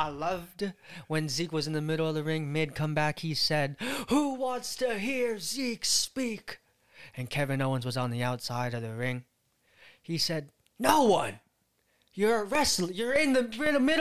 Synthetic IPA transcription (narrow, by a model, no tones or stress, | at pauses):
aɪlʌvdwɨ̃nzikwʌz̃n̩ðɨmɪɾl̩ˠʌvðɨɹɪ̃ŋmeɪd̚kʰʌ̃mbækhisɛd̚huwɑ̃ntstʰɨɦiɹzikspik | ɨ̃nkʰɛvɨ̃noʊə̃nzwʌzn̩ðiaʊtsaɪɾʌvðɨɹɪ̃ŋ | isɛdⁿ | noʊwʌ̃n | jə˞ɹɛsl̩ˠjə˞ɪ̃nðɨɪ̃ɾəmɪɾ